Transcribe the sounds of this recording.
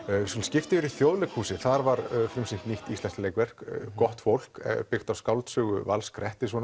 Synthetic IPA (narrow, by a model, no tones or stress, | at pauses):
sɔnscɪft̪ɪɪɾiθjowðlʏkhuːsɪθaɾvaɾfɾɪmsiŋt̪niht̪ist̪ɛnsleːjkvɛr̥kkɔht̪fowl̥kpɪxt̪awskawlt̪sʏːɣʏ̰va̰lskɾɛht̪ɪsvɔn